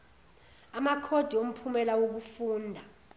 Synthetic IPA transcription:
amakʰod̥ʱiom̩pʰumɛlawok̬ufuːndʱa

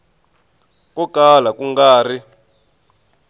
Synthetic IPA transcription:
kɔkʼalakuŋɡaːri

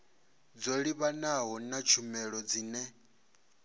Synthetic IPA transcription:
d͡zoɺiβanaɦɔnat͡ʃʰumɛɺɔd͡ziːnɛ

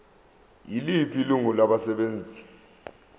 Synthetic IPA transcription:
jilipʰiluŋulaɓasɛɓeːnd͡zʱi

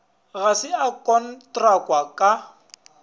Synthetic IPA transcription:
ɣasɪakʼɔn̩tʼrakʼwakʼa

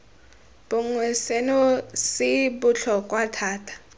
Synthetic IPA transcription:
b̥ʊŋwɛsɛnɔsɪbʊɬʰɔkʼwatʰaːtʰḁ

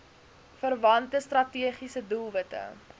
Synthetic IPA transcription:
fərvɐntəstrɐtiəχisədulˠvətə̰

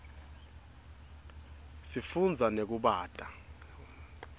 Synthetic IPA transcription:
sifund͡zʱanek̬uɓaːtʼa

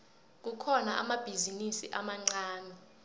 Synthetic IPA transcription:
k̬ukʰɔnaʔamab̥ʱizinisiʔamaŋ͡ǀaːni

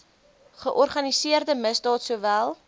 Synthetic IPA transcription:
χəʔɔrχɐnisiərdəməsdɑːtsuːvælˠ

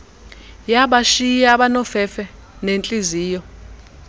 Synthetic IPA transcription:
jaɓaʃijaɓanɔfɛfɛ | nent͡ɬʼiziːjɔ

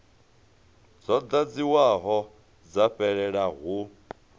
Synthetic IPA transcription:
d͡zɔd̪ad͡ziwaɦɔ | d͡zaɸɛɺɛɺaɦu

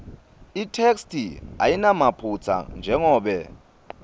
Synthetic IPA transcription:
itʰekstʰʼia̰jinamapʰut͡sʰa̰nd͡ʒʱɛŋɔːɓɛ

